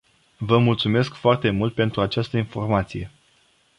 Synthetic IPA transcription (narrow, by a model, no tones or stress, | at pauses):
vəmult̪sume̞skfoart̪e̞mult̪̚pe̞nt̪ɾuat͡ʃast̪əinfo̞rmat̪sije̞